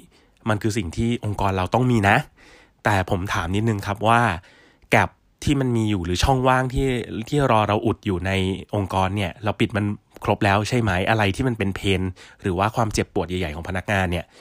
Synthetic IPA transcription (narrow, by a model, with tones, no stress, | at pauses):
ma˧nkʰɯː˧s̬i˨˩ŋt̪ʰiː˥˩ʔo˧ŋkɔː˧nɾa˧wt̪ɔ˥˩ŋmiː˧na˦˥ʔ | t̪ɛː˨˩pʰo˩˦mt̪ʰaː˩˦mni˦˥t̪̚nɯ˧ŋkʰa˦˥p̚waː˥˩ | kɛ˨˩p̚ | t̪ʰiː˥˩ma˧nmiː˧juː˨˩ɾɯː˩˦t͡ɕʰɔ˥˩ŋwaː˥˩ŋt̪ʰiː˥˩t̪ʰiː˥˩ɾɔː˧ɾa˧wʔu˨˩t̪̚juː˨˩na˧jʔo˧ŋkɔː˧nːi˥˩ɐɾa˧wpi˨˩t̪̚ma˧n | kʰɾo˦˥p̚lɛː˦˥wt͡ɕʰa˥˩jma˦˥jʔa˧ɾa˧jt̪ʰiː˥˩ma˧npe˧npʰeː˧nɾɯː˩˦waː˥˩kʰwaː˧mt͡ɕe˨˩pːu˨˩ət̪̚ja˨˩ja˨˩jkʰɔː˩˦pʰa˧na˦˥k̚ŋaː˧nːi˥˩ɐ